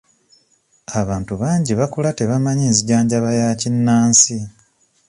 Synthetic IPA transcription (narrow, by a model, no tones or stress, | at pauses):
aβaːntuβaːɲɟiβakulate̞βamaɲiːnziɟaːɲɟaβajacinːaːnsi